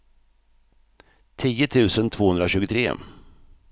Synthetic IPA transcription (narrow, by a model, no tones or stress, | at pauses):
t̪ʰiːət̪ʰʉ̟ːsənt̪ʰvoːhɵnd̪ɾaɕʉ̟ːɡət̪ʰɾḛː